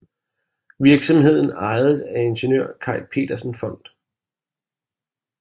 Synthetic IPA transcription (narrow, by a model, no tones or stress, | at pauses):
ʋiɐɡ̥sɒ̽mɦe̝ð̞̰ˠn̩ɑ̈ɪð̩ˠæe̝nɕenø̰ɐ̰kʰɑ̈ɪlpʰe̝̰ːd̥ɐsn̩fɒ̽n̰d̥